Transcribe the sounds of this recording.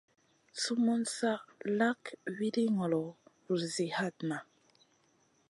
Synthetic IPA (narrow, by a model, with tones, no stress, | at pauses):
su˦mɔ˦nsa˦la˦kwi˦di˦ŋɔ˨lɔ˨ɾu˨zi˨ha˦˨t̚na˨